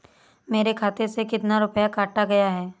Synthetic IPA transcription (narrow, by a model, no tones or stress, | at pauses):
meːɾekʰaːt̪esekɪt̪naɾʊpjakaːʈaɡɐjaɦɛː